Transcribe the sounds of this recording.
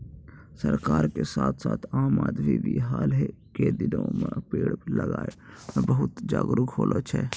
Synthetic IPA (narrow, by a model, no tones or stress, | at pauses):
səɾkaːɾkesaːt̪ʰsaːt̪ʰaːmaːd̪ʋiʋiɦaːlɦɛked̪ɪnõməpeːɽpləɡaːeɛbəɦʊt̪d͡ʒa̰ːɡɾəɡoːlʔot͡ʃʰɛː